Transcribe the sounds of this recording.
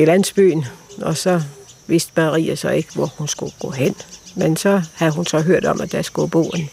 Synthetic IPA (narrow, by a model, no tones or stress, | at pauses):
ilæn̰sb̥y̰ːnɒ̽sɒ̽ʋe̝sd̥mɑʁḭːɐsɒ̽e̝ɡ̥əʋɒhunsɡ̥uɡ̥ɔ̰ːɦen̰mensɒ̽hæð̩ˠɦunsɒ̽ɦøɐ̰d̥ɒ̽mʔæd̥æsɡ̥ub̥o̝̰ːe̝n